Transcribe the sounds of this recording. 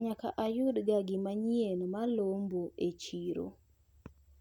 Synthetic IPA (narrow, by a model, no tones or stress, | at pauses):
ɲaka̰ʔajʊdɡaɡɪmaɲienmalomboet͡ʃiɾo̰